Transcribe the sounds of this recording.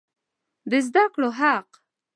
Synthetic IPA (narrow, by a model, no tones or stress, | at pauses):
bɪzd̪akloɦaq